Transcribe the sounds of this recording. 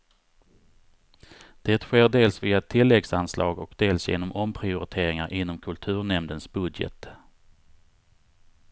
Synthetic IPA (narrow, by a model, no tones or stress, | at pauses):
d̪̥ɛːt̪ɧeːɖeːlsviːaɛt̪ʰːɪlːɛɡsanslɑ̰ːɡɔkd̪eːlsjḛːnɔmʔɔmpʰɾɪʊɾɪt̪ʰeːɾɪŋaɾʔɪnːɔmkʰɵlt̪ʰʉ̟ːɳɛmd̪ənsbɵd̪jɛ̰t̪